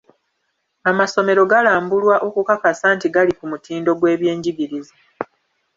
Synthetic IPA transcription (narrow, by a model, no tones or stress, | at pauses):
amaso̞me̞ɾo̞ɡalaːmbulwaʔo̞kukakasaːntiɡalikumutiːndo̞ɡwe̞ːβje̞ːɲɟiɡiɾizi